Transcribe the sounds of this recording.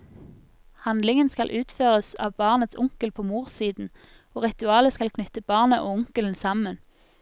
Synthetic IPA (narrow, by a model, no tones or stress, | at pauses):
hɑnd̪lɪŋənskɑlʔʉːt̪føːʁəsɑ̰ːʋbɑːʁnət̪sʊŋkəlpʰoːmuːʁsiːd̪n̩ | oːʁɪt̪ʉɑːləskɑlkʰnʏt̪əb̥ɑːʁnəʔoːʊŋkəln̩sɑmən